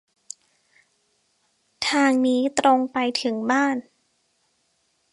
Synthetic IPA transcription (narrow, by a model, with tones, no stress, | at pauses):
t̪ʰaː˧ŋniː˦˥t̪ɾo˧ŋpa˧jt̪ʰɯ˩˦ŋbaː˥˩n